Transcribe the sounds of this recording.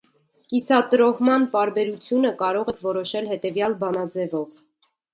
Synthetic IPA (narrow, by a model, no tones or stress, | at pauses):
kisɑt̪əɾɔhmɑnp̪ɑɾbɛɾut͡sʰjunəkɑɾɔʁɛkʰvɔɾɔʃɛlhɛt̪ɛvjɑlbɑnɑd͡zɛvɔv